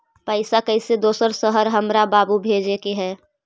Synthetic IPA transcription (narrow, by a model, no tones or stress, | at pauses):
pəɪsakəised̪oːsəɾsəɦəɾɦəmɾabaːbubʱeːd͡ʒekeɦɛː